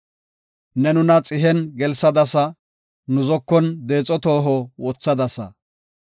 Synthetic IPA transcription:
nɛnʊnɐt͡sʼɪɦɛnɡɛlsɐd̪ɐsɐ | nʊzɔkːɔnd̪eːt͡sʼːɔt̪oːɦɔwɔt͡sːɐd̪ɐsɐ̰

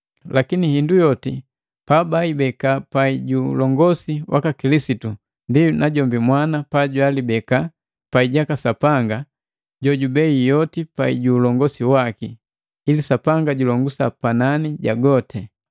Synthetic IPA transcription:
lakinihindujɔti | pabaibɛkapaiɟulɔŋɡɔsiwʔakakilisitu | ndinaɟɔmbimwanapaɟwalibɛka | paiɟakasapaŋɡa | ɟɔɟubɛijɔtipaḭɟuːlɔŋɡɔsiwakiː | lisapaŋɡaɟulɔŋɡusapananiɟaɡɔtʰɛ

